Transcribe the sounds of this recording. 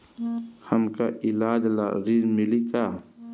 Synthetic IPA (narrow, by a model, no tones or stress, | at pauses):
hɐmkaʔɪlaːd͡ʒla̰ɾizmɪlika